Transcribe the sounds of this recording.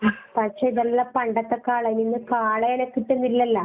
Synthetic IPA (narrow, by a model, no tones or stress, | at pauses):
pɐʂeːiðɐlːɐpɐɳɖɐt̪ːekːaːɭɐninːɨkaːɭɐjenɐkːiʈːunilːɐlːɐ